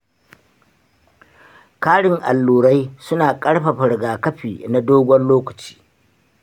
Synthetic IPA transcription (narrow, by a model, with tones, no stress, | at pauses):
kaː˦ɽɪ˨ŋʔa̰˨lːuː˨ɽa˦jsʊ˦naː˨kʼɐ˦ɽɸa˨ɸɪ˨ɽɡaː˨kɐ˦ɸiː˨na˦doː˦ɡʷɔ˦nloː˦kɐ˨t͡ʃi̥ː˦